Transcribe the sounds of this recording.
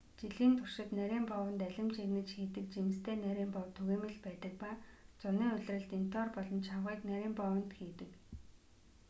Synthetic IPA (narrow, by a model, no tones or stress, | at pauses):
t͡ɕiɮiːnt̪ʰʊr̥ʃɪ̆t̪næɾʲiːmpɔwə̆nt̪æɮʲɪ̆mt͡ɕʰeɣnɘ̆t͡ɕxiːt̪ɘ̆k̚t͡ɕimɘ̆st̪ʰeːnæɾʲiːmpɔwt̪ʰɵɣeːmɘ̆ɮpæːt̪ə̆k̚paːt͡sʊniːʊɮ̆ʲrə̆ɮt̪in̥t̪ɔːrpɔɮɞ̆mt͡ɕʰawʁiːknæɾʲiːmpɔwə̆nt̪xiːt̪ɘ̆k